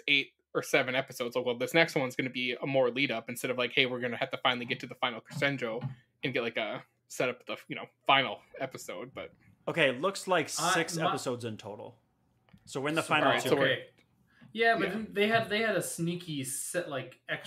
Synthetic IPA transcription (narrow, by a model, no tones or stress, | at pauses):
eɪɾ̚ | ə˞sɛvɨ̃nɛpɨsoʊdz̥aɪkwoðɪsnɛkst̚wʌ̃nzɡʌnɨbiəmɔɹliɾʌpɨ̃n̩stɛɾʌvlaɪkheɪwɨɹɡʌnɨhæftʰɨfãɪ̃nl̩ˠiɡɛtʰɨðəfãɪ̃nl̩ˠkʰɹ̥ɨ̥stɛ̃nd͡ʒoʊ | ɨ̃nɡɛt̚laɪkɨ | sɛɾʌp̚ðəjɨnoʊfãɪ̃nl̩ˠɛpɨsoʊd̚b̥ʌt̚ | oʊkeɪlʊkslaɪkɪksɛpəsoʊdzɨ̃ntʰoʊɾl̩ˠ | soʊwɨ̃nðəfãɪnl̩ˠoʊw | jæbʌðeɪɨd̚ðeɪɨɾɨsnikʰisɛʔlaɪkɛk